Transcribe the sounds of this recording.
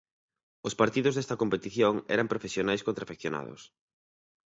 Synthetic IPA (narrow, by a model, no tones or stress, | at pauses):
ʊspaɾt̪iðʊzðɛst̪ɐkompet̪iθjoŋɛ̰ɾɐmpɾofesjonajskont̪ɾafekθjona̰ðʊ̰s